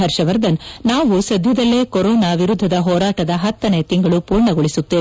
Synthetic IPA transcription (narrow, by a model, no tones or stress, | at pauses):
ɦɐɾʃɐʋɐɾd̪ɐnnaːʋusɐd̪ʱjɐd̪ɐlːe̞ːkoɾɔːnaʋiɾud̪ʱːɐd̪ɐɦɔːɾaːʈɐd̪ɐɦɐt̪ːɐne̞ːt̪iŋɡɐɭupuːɾɳɐɡoɭisut̪ːeː